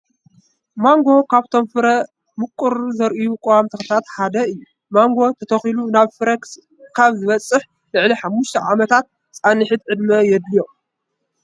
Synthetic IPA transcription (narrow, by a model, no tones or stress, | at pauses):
maŋɡo̞kʰaβt̪ʰo̞mfɨɾɐ | mɨkʼːuɾzɐɾʔijukʼowamt̪ʰɨxɨt̪ʰat̪ħad̪ɐɨjːu | maŋɡo̞t̪ʰɐt̪ʰɐxilunaβfɨɾɐks | kʰaβzɨβɐt͡sʼːɨħ | lɨʕliħamːuʃt̪ʰɐʕamɐt̪ʰat̪̚ | t͡sʼanɨħɨd̪ʕɨd̪mɐjɛd̪lijo̞